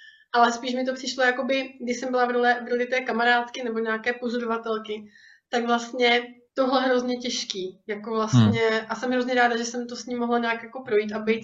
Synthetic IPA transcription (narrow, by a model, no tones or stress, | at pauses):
ʔalɛspiːʃmɪt̪o̞pr̥ɪʃlo̞jako̞bɪɡdɪʃsɛmbɪlavɾolɛvɾolɪt̪ɛːkamaɾaːt̪kɪnɛbo̞ɲaakɛːpozodovat̪ɛlkɪ | t̪aɡvlast̪ɲɛt̪o̞ɦlɛɦɾo̞zɲɛcɛʃkiːjako̞vlast̪ɲɛʔasɛmɦɾo̞zɲɛɾaːdaʒɛsɛmt̪o̞sɲimːoɦlaɲaːkjako̞pɾo̞jiːt̪ʔabɛjt̪̚